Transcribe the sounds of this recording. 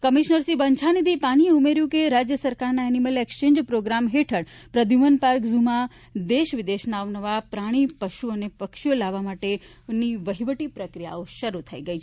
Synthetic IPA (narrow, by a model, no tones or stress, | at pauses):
kəmiʃnəɾsibəɲt͡ʃʰanid̪ipaɽ̃ieumeɾjũkeɾad͡ʒjəsəɾkaɾnaɛniməlekt͡ʃẽɲd͡ʒpɾoɡɾamɦeʈʰəɽ | pɾəd̪ʱjumənpaɾkzuma | d̪eʃʋɪd̪eʃnaːʋnəʋapɾaɽ̃ipəʃuənepəkʃijolaʋːamaʈe | niʋəɦiʋəʈipɾəkɾija̰oʃəɾut̪ʰəiɡəit͡ʃʰ